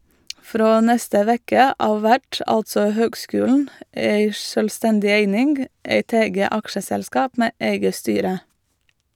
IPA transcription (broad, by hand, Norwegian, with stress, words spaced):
ˈfɾoː ˈnɛstə ˈʋɛkə ˈɑːʋ ˈʋæʈ ˈɑltsɔ ˈhøːɡˌskʉːlɳ̩ ˈæɪ ˈʃøːlˌstɛndɪ ˈeɪnɪnɡ ˈæɪt ˈɛɡə ˈɑkʃəsɛlˌskɑːp ˈmeː ˈæɪɡə ˈstyːɾə